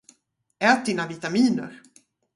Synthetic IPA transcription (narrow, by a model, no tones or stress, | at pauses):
ɛːt̪̚d̪ɪnavɪt̪amiːnə̰ɾ